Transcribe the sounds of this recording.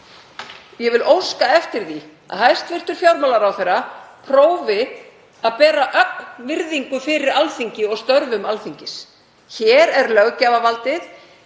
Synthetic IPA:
jɛvɪlowskaɛft̪ɪɾ̥θi | a̰ðhajst̪vɪr̥t̪ʏɾ̥fjawɾmalaɾawθejrapʰɾoːwvɪ | aðpɛːɾaʔœk̚nvɪɾðiŋkʏfɪɾɪɾalθiɲcɪɔɣst̪œɾvʏmalθiɲcɪs | çɛːɾɛɾlœɣcaːvavalt̪ɪθ

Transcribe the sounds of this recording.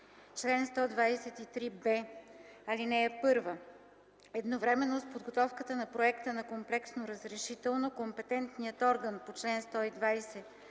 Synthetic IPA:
t͡ʃlɛnst̪ɔd̪vajsɛt̪it̪ɾibɛ | ɐlinɛːpɤɾvə | ɛd̪novɾɛmɛnːospod̪ɡot̪ɔfkət̪ənɐpɾoɛkt̪ənɐkomplɛksnoɾəzɾɛʃit̪ɛlˠnokompɛt̪ɛnt̪nijət̪ɔɾɡənpot͡ʃlɛnst̪ɔid̪vajsɛ

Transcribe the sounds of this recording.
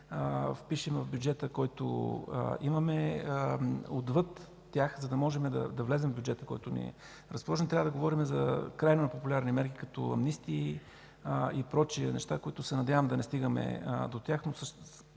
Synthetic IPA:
fpiʃɛmvəvbjud͡ʒɛt̪əkɔjt̪o̰ | imɐmɛ | od̪vɤt̪ːʲ | jaxzɐd̪ɐmɔʒɛmɛd̪ɐ̰d̪ɐvlɛzɛmvbjud͡ʒɛt̪əkɔjt̪ʊnḭɛ̰ | ɾəspolˠɔʒɛnt̪ɾʲavəd̪ɐɡovɔɾimɛzɐ̰kɾajnonɐpopulʲaɾnimɛɾkikɐt̪ɔ̰ɐ̰mnist̪iː | ipɾɔt͡ʃiənɛ̰ʃt̪akoit̪ʊsɛnɐd̪ʲjavəmd̪ɐnɛst̪iɡəmɛ̰d̪ot̪ʲjaxnosɤʃt̪

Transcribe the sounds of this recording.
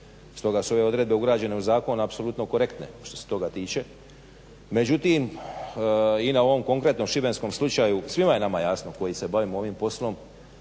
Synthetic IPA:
st̪o̞ɡasuo̞ʋe̞o̞d̪ɾe̞d̪be̞uɡɾaːd͡ʑe̞ne̞uzaːko̞napso̞lˠut̪no̞ko̞ɾe̞kt̪nḛʃt̪o̞set̪o̞ɡat̪iːt͡ʃe̞ | me̞d͡ʒut̪im | inao̞ʋo̞mko̞ŋkɾe̞t̪no̞mʃibe̞nsko̞mslˠut͡ʃajusʋimaje̞namajaːsnoko̞jise̞baʋimo̞ʋimpo̞slo̞m

